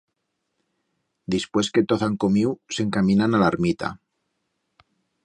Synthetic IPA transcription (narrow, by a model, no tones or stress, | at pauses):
d̪ispwe̞ske̞t̪oθaŋkomiwse̞ŋkamĩnanalaɾmit̪a̰